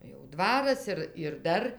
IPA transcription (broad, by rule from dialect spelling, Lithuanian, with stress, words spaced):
jɛʊ ˈdʋɑːrɐs ˈɪr ɪr ˈdɐr